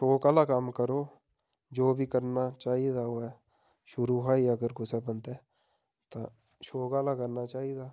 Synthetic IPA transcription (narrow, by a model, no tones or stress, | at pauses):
ʃoːkaːlakamkəɾoː | d͡ʒoːbʱikəɾnat͡ʃaːɦid̪aoɛ | ʃʊɾuɦaːiəɡəɾkʊsebənt̪ɛː | t̪a̰ | ʃoːkaːlakəɾnat͡ʃaːid̪aː